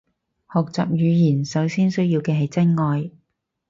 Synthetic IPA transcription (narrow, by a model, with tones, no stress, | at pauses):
hɔː˨k̚t͡sa̰ː˨p̚jyː˨˧jiː˨˩nsɐ˨˥wsiː˥nsɵ˥ɥjiː˧wkɛː˧ɦɐ˨jt͡sɐ˥nŋɔː˨˧j